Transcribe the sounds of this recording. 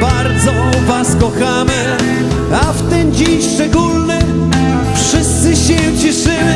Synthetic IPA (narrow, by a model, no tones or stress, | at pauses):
baɾd̪zɔ | vaskɔxamɘ | aft̪ɛmd͡ʑiʂt͡ʂɛɡulnɨ | fʂɪst̪sɨɕɛt͡ɕɛʂɪmɘ